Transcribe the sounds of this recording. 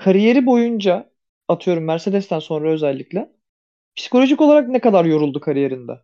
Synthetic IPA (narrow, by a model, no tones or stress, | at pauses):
kʰaɾije̞ɾibo̞jund͡ʒa | at̪ʰɯjo̞ɾumːæɾse̞d̪ɛst̪ænso̞nɾaøzɛlʲːiclʲɛ | pʰi̥si̥kʰo̞lʲo̞ʒikolˠaɾak̚nɛkad̪aɾjo̞ɾulˠd̪ukʰaɾije̞ɾind̪ɛ̰